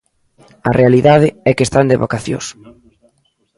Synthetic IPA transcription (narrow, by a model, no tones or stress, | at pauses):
ɐ̰realiðaðɪɛkest̪and̪eβo̰kaθjo̰s